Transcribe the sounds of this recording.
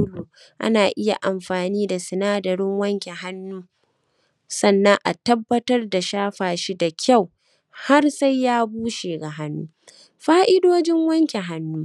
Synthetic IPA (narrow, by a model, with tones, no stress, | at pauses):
ʊ˦loː˨ | ʔa̰˦naː˨ʔɪ˦ja̰˨ʔa˨mɸaː˨niː˦da˨sɪ˨naː˦dɐ˨ɾɪ˦ŋwɐ˦ŋkʲe˨ɦa˦nːuː˦ | sɐ˦nːɐ˦ŋʔa̰˨tɐ˦bːɐ˦tɐ˦rda˨ʃaː˦ɸaː˨ʃi˦da˨kʲʰa˦˨w | ha˦rsa˦jːaː˦buː˦ʃeː˨ɡa˨ɦa˦nːuː˦ | ɸaː˦ʔɪ˦doː˦d͡ʒɪ˦ŋwɐ˦ŋkʲe˨ɦa˦nːuː˦